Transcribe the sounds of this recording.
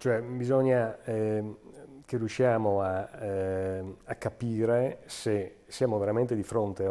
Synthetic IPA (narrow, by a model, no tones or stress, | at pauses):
t͡ʃoɛbizoɲːaɛ | kerːjuʃːjaːmoa | akːapiːɾese | sjaːmoveɾamẽnt̪ed̪ifɾont̪e